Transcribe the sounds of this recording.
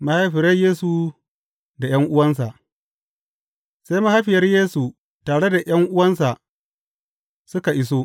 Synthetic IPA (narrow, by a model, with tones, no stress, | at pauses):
ma˦ha˦jɸɪ˨ɾɐ˦jeː˦su˨ | da˨j̰ɐ˦ŋʔʊ˦wɐ˦ns̬a˨ʔ | sa˦jma˦ha˦jɸɪ˨jɐ˦rjeː˦su˨ | taː˨ɽe˦da˨j̰ɐ˦ŋʔʊ˦wɐ˦nsa˨ | sʊ˦ka˨ʔɪ˦s̬oː˦